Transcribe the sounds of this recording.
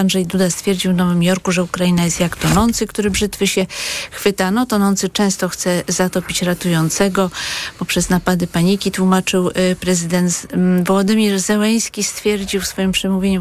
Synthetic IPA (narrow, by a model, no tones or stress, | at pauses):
anʐɛjd̪ud̪ast̪fʲjeɾd͡ʑiwnɔvɘmjɔɾkuʐɛukɾainajɛst̪jakt̪ɔnɔnt̪sɘkt̪uɾɘbʐɘt̪fɘɕɛxfɘt̪anɔt̪ɔnɔnt̪sɘt͡ʂɛ̃w̃st̪ɔxt̪sɛzat̪ɔpʲit͡ɕɾat̪ujɔnt̪sɛɡɔpɔpʂɛznapad̪ɘpaɲikʲit̪wumat͡ʂɘwpɾɛzɘd̪ɛnt̪vɔwɔd̪ɘmʲiɾzɛlɛj̃skʲist̪fʲjɛɾd͡ʑiwfsfɔjimpʂɛmuvʲjeɲu